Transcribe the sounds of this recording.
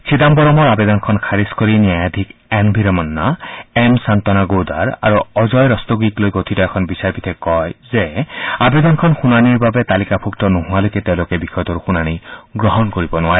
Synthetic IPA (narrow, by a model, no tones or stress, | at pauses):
kʰid̪ambɔɾɔmɔɾabed̪ɔnkʰɔnkʰaɾiskɔɾinjajad̪ʱikenbʱiɾɔmɔnːaemsant̪ɔnaɡod̪aɾa̰ɾuɔd͡ʒɔjɾɔst̪ɔɡiklojɡot̪ʰitɔekʰɔnbisaɾbit̪ʰekɔjzeabed̪ɔnɔkʰɔnxunaniɾbabet̪alikapʰukt̪ɔnuɦũalok̪et̪ew̃lokebixɔjt̪ɔɾuxunañiɡɾɔɦɔnkɔɾibɔnuwaɾi